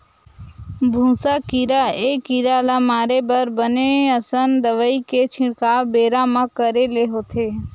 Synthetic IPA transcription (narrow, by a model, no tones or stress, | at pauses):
bʱũːsakiɾaekiɾaːlamaːɾebəɾbəneəsənd̪əʋəiket͡ʃʰɪ̃ɽkaːbeːɾamãkəɾeleɦot̪ʰeː